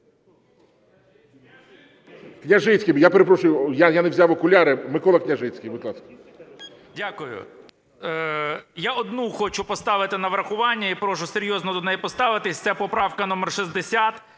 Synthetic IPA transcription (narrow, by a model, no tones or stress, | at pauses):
knʲaʒɪt͡sʲkʲijjapeɾepɾɔʃʊjʊjajaneʋzʲawɔkʊlʲaɾɪmɪkɔlˠɐknʲɐʒɪt͡sʲkijʋɪklˠɑskɐ̥ | dʲakʊjʊ̰ | jaɔd̪nuxɔt͡ʃʊpɔst̪ɑʋɪt̪ɪnɐʋɾɐxʊʋɑnʲːɐipɾɔʃʊseɾʲjɔznɔd̪ɔnɛjpɔst̪ɑʋɪt̪ɪsʲt̪sɛpɔpɾɑwkɐnɔmɛrʃizʲd̪esʲat̪